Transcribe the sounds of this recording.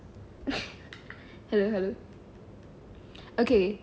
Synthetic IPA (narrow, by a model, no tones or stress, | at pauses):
hɛloʊɦɛloʊ | okʰe